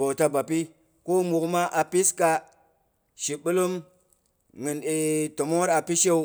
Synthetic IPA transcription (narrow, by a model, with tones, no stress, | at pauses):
bo˨wta˧ba˨pi˦ | ko˦mu˨kma˦ʔa˨pi˦ska˦ | ʃi˨bu˦lu˦m | ŋɨ˨ne˨to˨mo˦ɾa˨pi˦ʃe˦u˦